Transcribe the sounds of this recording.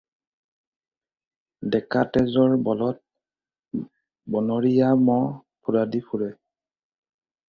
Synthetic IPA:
dɛkatɛzɔɹbɔlɔt̚ | bɔnɔɹijamɔpʰuɹadipʰuɹɛ

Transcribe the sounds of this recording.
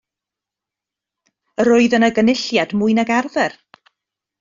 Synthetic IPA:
əɾʊɨðənəɡənɪɬjadmʊɨnaɡɛrðɛr

